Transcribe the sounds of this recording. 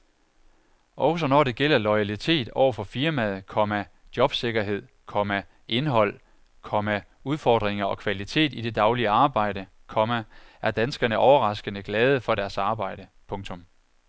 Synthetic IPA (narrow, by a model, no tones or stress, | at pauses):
ʔɒ̽ʊsɒnɒːɾ̥e̝ɡ̥el̰ɐlɒɪælit͡sʰe̝̰ːd̥ɒʊ̰ɐfɒ̽fiɐmæð̞ˠkʰɒ̽mæ | d̥jɒ̽b̥se̝ɡ̥ɐɦe̝ð̞̰ˠ | kʰɒ̽mæ | ʔe̝nɦɒ̽l̰ | kʰɒ̽mæ | uð̞ˠfɒ̰ːd̥ʁeŋɐɒ̽kʰʋælit͡sʰe̝̰ːdid̥e̝d̥ɑ̈ʊliəɑ̈ːb̥ɑ̈ɪ̰ɾə | kʰɒ̽mæʔæɐd̥ænsɡ̥ɐnəʔɒʊɐʁɑ̈sɡ̥ənəɡ̥lɛːð̞ˠəfɒ̽ɾæɐsɑ̈ːb̥ɑ̈ɪ̰ɾ̥əpʰɔ̽ŋt͡sʰɔ̽m